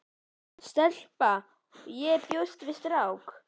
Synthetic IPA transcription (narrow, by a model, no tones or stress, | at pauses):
st̪əɬpa | jepjost̪vist̪ɾawk